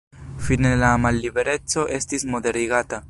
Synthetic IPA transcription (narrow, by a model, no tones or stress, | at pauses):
finelamalːibeɾett͡so̞ʔest̪izmod̪eɾiɣat̪a